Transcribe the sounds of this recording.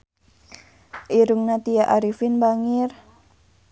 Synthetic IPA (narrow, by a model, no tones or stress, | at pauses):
ʔiɾuŋnat̪ijaʔaɾifɪnbaŋɪr